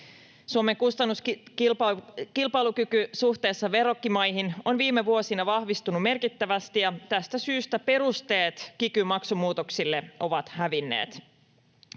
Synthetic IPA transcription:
suome̞ŋkust̪ɑnːus | kilpɑjlukykysuht̪e̞ːsːɑʋe̞ɾo̞kːimɑjɦinonʋiːmːe̞ʋuo̞sinɑʋɑhʋist̪unume̞rkit̪ːæʋæst̪ijɑt̪æst̪æsyːst̪æpe̞ɾust̪e̞ːt̪kikymɑksumuːt̪oksilːe̞o̞ʋɑt̪hæʋinːḛːt̪

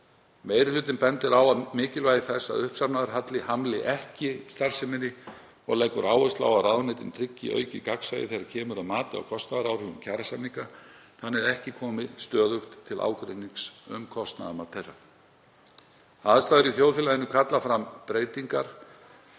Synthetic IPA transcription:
meːjɾɪlʏːt̪ɪnpɛnt̪ɪɾaːwaðmɪːcɪlvaːjðɪθɛsːa̰ðʏhpsapnaðaɾɦat̪lɪhamlɪʔɛhcɪst̪ar̥sɪmɪnːɪ | ɔ̰ɣlejkʏɾaːwœst̪la̰waðrawðnɪjt̪ɪnt̪ʰɾɪcːḭœ̰ɥcɪkaksajɪ̰θejɾaɾcʰɛːmʏɾaðmaːt̪ɪa̰wkʰɔst̪naðaɾawɾ̥hʏɣʏmcʰaɾasamniŋkaθanːɪðɛhcɪkʰɔːmɪst̪œːðʏxt̪ʰːɪlʔa̰ːwkɾeniŋsʏmkʰɔst̪na̰ðamat̪ʰejra̰̥ | θaðst̪aːðɛɾiθjowðfɪːlaðɪnːʏkʰat̪lafɾampɾeːjt̪iŋkaɾ̥

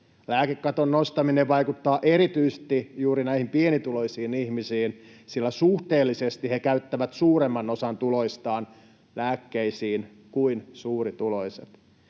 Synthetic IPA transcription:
læːkekːɑt̪onːost̪ɑmineʋɑjkut̪ːɑːʔe̞ɾit̪yist̪ijuːɾinæihimpienit̪ulo̞jsiːnihmisiːnsilːæsuht̪e̞ːlːisest̪ihekæyt̪ːæʋæt̪suːɾemːɑno̞sɑnt̪ulo̞ist̪ɑːn | læːkːeisiːn | kuinsuːrit̪ulo̞jsḛt̪

